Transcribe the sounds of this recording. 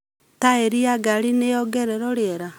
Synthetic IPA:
taeɾiaɡaɾinejɔɡɛɾɛɾɔɾeɛɾa

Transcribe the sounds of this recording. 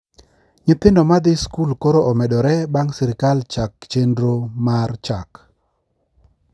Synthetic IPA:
ɲɪt̪ɪndɔmad̪ɪskulkoɾoʔɔmɛɗɔɾɛbaŋsɪɾɪkalt͡ʃak̚t͡ʃendɾomart͡ʃak

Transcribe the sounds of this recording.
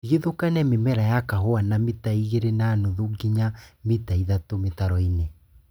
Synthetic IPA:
ɣeðokanɛmemɛɾajakaɦoanamitaiɣeɾenaːnuðuɡiɲamitaiðatometaɾɔine

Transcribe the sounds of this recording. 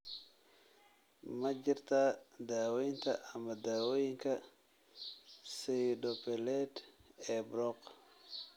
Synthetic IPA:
mɐt͡ʃɪrt̪ʰad̪aːwɛjnt̪ʰɐʔɐmɐd̪aːwɔjɪŋkʰɐ | sɛjɖɔpɛlɛd̪ɛːbɾɔq

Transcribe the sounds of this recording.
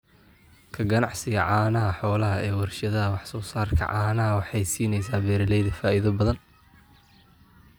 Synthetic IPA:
kʰɐɡɐnɑʕsɪɣɐʕɑːnɐɦɐħɔːlɐɦɐʔɛːwɐrʃɐðɐɦɐwɑħsɔːsaːrkʰɐ̰ʕɑːnɐɦɐwɑħɑjsiːnɛjsaːbɛːɾɪlɛjðɐfaːʔɪðɐbɐðɐn

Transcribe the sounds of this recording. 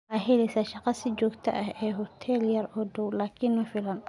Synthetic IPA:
aːɦɛlɛsɐʃɑqɑsid͡ʒɔːɡt̪ʰɐ̰ʔɐɦɛːɦɔt̪ʰɛːljɐɾɔːɖɔwlaːkʰɪnmɐfɪlɐn

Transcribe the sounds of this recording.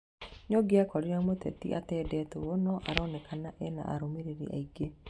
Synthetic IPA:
ɲɔɡeakɔɾiamotɛ̰tḭʔa̰tɛːdɛtowɔnɔʔaɾɔnɛkʰanaʔɛna̰ʔa̰ɾomeɾeɾḛʔa̰iɡe

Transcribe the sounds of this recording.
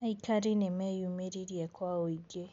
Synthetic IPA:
aikaɾinemɛjumeɾiɾiɛkʰwaoiɡe

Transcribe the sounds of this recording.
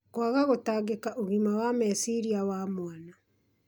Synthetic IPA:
kwaɣaɣotaɡekaʔoɣimawamɛsiɾiawamwana

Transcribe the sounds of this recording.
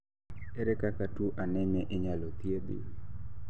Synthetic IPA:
ɛɾɛkakatuʔanɛɲɛʔɪɲalot̪jed̪ɪ̰

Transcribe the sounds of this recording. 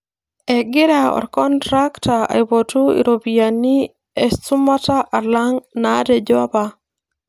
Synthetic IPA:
ɛɡɪɾaɔ̰ɾkɔntɾaktaa̰ibotuḭɾobijani | ɛstumataʔalaŋnadɛd͡ʒɔba

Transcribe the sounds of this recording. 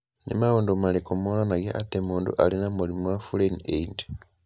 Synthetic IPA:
nḛmawondomalekumonanaɡeʔatemuːndṵʔa̰linamulimowafuleneind

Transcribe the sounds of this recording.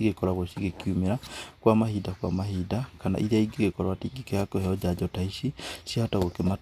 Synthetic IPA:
iɣekɔɾaɣosiɣekjumeɾakwamahidakwa̰maɦidakana̰ʔiðaiɡiɣekɔɾwatiɡikejakohɛɔd͡ʒad͡ʒɔtaisisjaotaɣokema

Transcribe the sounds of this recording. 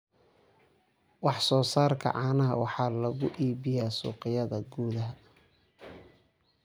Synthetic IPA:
wɑħsɔːsaːrkʰɐ̰ʕɑːnɐɦɐ̰wɑħɑːlɐɣʊʔiːbɪjaːsṵːqɪjɐðɐɡuːðɐɦɐ

